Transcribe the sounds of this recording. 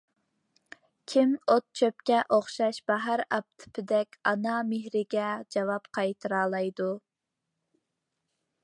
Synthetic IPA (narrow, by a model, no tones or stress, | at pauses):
kʲʰimot̪̚t͡ʃʰøpkʲɛʔoχʃɑʃbɑɦæɾɑp̚t̪ʰɪ̥pʰɪd̪ɛkʲɑnɑmɪɦɾɪɡʲɛd͡ʒɑwɑpqʰɑjt̪ʰɨɾɑːlˠɑjd̪u